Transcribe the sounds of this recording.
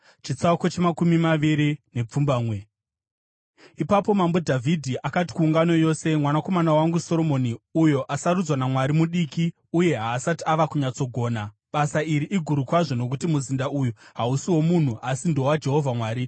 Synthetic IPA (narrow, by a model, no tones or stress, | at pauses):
t͡ʃit͡sakot͡ʃemakumimaʋiɾine̞p͡fumbaːmwe̞ | ipapo̞mambo̞dʱavʱidʱiʔakati̥kuːŋɡano̞jo̞ːse̞mwanako̞manawaŋɡuso̞ɾo̞mo̞niujo̞ʔasaɾud͡zwanamwaɾimuɗiki | uje̞ɦaːsatiaʋakuɲat͡so̞ɡʱo̞ːna | ɓasaiɾiʔiɡʱuɾukwaʐo̞no̞k̬utimuzindaujuɦausiwo̞mun̤uʔasindo̞wad͡ʒe̞ɦo̞vʱamwaːɾi